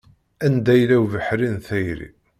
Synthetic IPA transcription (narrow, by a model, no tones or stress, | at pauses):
ænd̪æjlæwvəħɾinθæjɾḭ